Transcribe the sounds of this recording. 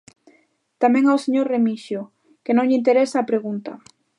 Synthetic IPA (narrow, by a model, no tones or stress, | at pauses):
t̪amẽŋawseɲoɾremiʃjo | kenõŋʎɪint̪̬eɾesaːpɾeɣunt̪a